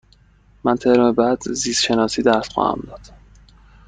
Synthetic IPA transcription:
mænt̪ʰehɾmebæd̪ziːsʃe̞nɒːsiːd̪æɾsxɒ̰ːhæ̰md̪ɒːd̪̥

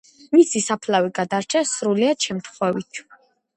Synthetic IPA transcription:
misisapʰlawiɡad̪aɾt͡ʃʰɛsɾuliaʃʰɛmt̪ʰχwɛvit̪ʰ

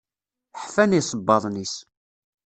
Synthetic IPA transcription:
ħfænisˤəbːɑðˤnis

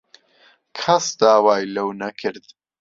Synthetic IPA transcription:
kʰɐsd̪aːwaːjlɐwnɐkʰɨɾd̪̥

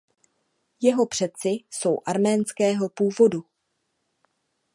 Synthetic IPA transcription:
jɛɦo̞pr̝̥ɛt͡sɪso̞wʔaɾmɛːnskɛːɦo̞puːvo̞du

